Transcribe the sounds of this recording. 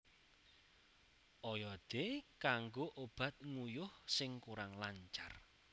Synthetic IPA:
ʔɔjɔd̪̥ekaŋɡoʔob̥a̤t̪̚ŋujʊhsɪŋkuɾaŋlaɲt͡ʃarr

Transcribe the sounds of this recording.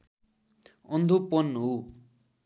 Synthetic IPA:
ʌnd̪ʱopʌnɦo

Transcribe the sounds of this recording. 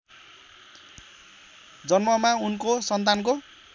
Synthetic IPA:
d͡zʌnmʌmaunkosʌnt̪̬anko

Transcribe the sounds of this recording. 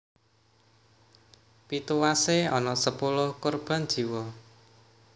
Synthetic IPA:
pit̪uwaseɔnɔʔsəpulʊhkorb̥a̤n̥ʒ̥i̤wɔ

